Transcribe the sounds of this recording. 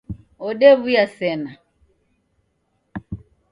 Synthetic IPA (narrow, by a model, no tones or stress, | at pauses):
ɔɗɛβujasɛna